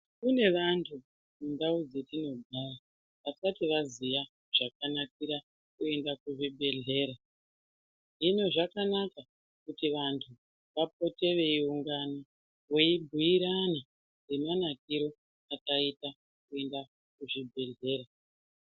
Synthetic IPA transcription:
kune̞ʋantʰu | mundaud͡ze̞tino̞ɡʱara | ʋasatiʋazija | ʐ̥akanakiɾa | kue̞ndakuʐibʱe̞ɮe̞ːɾa | ʐino̞ʐakanaka | kutiʋantʰu | ʋap̚o̞te̞ʋe̞iuŋɡano | weibʱuiɾana | demanak̚iɾo̞ | akaita | kue̞nda | kuʐibʱe̞ɮe̞ːɾa

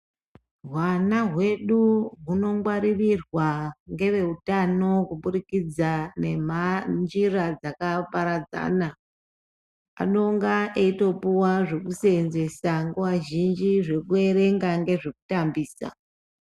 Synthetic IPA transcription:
ɦwanaɦwe̞ɗuɦuno̞ŋɡwaɾirirwaŋɡe̞ʋe̞utano̞kuɓuɾikid͡zane̞mand͡ʒirad͡zakapaɾad͡za̰ːna | a̰ɗo̞ŋɡaʔeito̞puwaʐe̞kusenze̞saŋɡoʋaʒind͡ʒiʐe̞kue̞ɾe̞ŋɡaŋɡe̞ʐe̞kutambiːsa̰

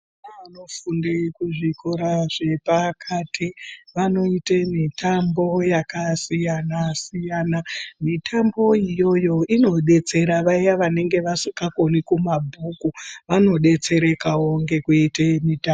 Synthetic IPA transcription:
anaʋano̞fundekuʐikʰoɾaʐe̞pakʰatʰiʋano̞itemitʰambo̞jakasijanasijanamitʰambo̞ijo̞jo̞ino̞ɗe̞t͡se̞ɾaʋaijaʋane̞ŋɡe̞ʋasikako̞nikumabʱukuʋano̞ɗe̞t͡se̞ɾe̞kawoŋɡe̞kuitemita

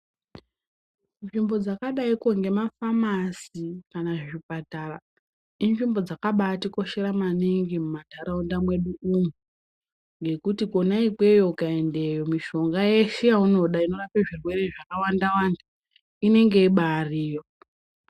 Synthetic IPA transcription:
nʐimbo̞d͡zakaɗaikoŋɡe̞mafamasikanaʐipatara | inʐimbo̞d͡zakaɓatiko̞ʃe̞ɾamaniŋɡimumataɾaundamwe̞ɗuumu | ŋɡe̞kutiko̞naik͡pe̞jo̞ukae̞nde̞jo̞miʃo̞ŋɡaje̞ʃejauno̞ɗaino̞rapeʐirwe̞ɾe̞ʐakawandawanda | ine̞ŋɡe̞iɓariːjo̞

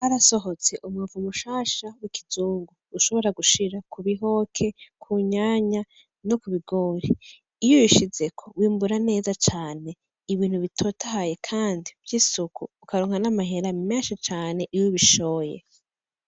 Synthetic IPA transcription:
haɾaso̞ɦo̞t͡se̞ʔumuvumuʃaːʃawikʰi̥zuːŋɡu | uʃo̞βo̞ɾaɡuʃiɾakuβiɦo̞kʰe̞kʰuɲaːɲa | no̞kuβiɡoːɾiː | jujuʃize̞kʰo̞wiːmbuɾane̞ːzat͡ʃaːne̞ | iβiːn̥huβitʰo̞ːtʰahaje̞kʰaːndivjiːsukuːkaɾoːŋhanamaɦeɾamenʃit͡ʃaːne̞ʔijuβiʃo̞ːjḛ

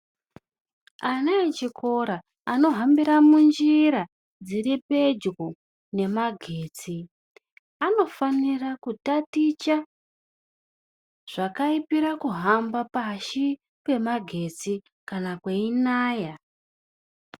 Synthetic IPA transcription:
anaet͡ʃikʰo̞ɾaː | no̞ɦambiɾamund͡ʒiɾa | d͡ziɾipe̞d͡ʒɣo | ne̞maɡʱe̞ːt͡si | ano̞fanirakutatit͡ʃa | ʐ̥akaipiɾakuɦambapaʃi | kwe̞maɡʱe̞t͡si | kanakweinaːja

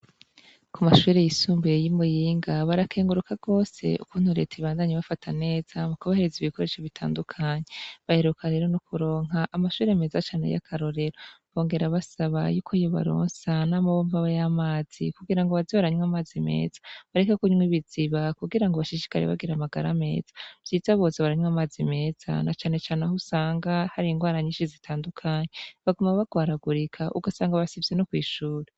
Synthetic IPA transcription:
kumaʃuːɾe̞jisuːmbeejimujiːŋɡaβaɾakʰe̞ːŋɡuɾukʰaɡo̞ːse̞̰ṵkuːn̥huɾe̞̰ːteiβaːndaɲeβafatʰane̞ːz̥amukaβahe̞ɾeziβiko̞ɾe̞ʃoβitʰa̰ːndukʰaɲe̞βaheɾukʰaɾe̞ːɾo̞nokʰuɾo̞ːŋ̥ɦaʔːmaʃuːɾeme̞ːzat͡ʃaːne̞̰ja̰kʰaɾo̞ɾe̞ɾo̞βo̞ːŋɡe̞ɾaβasaβa̰juːkʰoijo̞βa̰ɾo̰ːnsanaːmaβoːɱvaβajamaːz̥ikuɡiɾaŋɡoβaziβaɾaɲwamaːzime̞̰ːz̥ḁβaɾekakuɲmwiβiziβakuɡiɾaŋɡoβaʃiʃi̥kaɾḛβa̰ɡiɾamaɡaɾa̰me̞̰ːzḁv̥jiːzaβo̞ːzeβaɾaɲwamaːzime̞ːz̥a̰nat͡ʃaːne̞t͡ʃaːneɦusaːŋɡahaɾiŋɡwaːɾaɲiːʃizitʰaːndukʰaːɲeβaɡomaβaɡ̥waːɾaɡuɾikʰaʔṵɡasaːŋɡaβasivjeno̞kwiːʃuːɾe

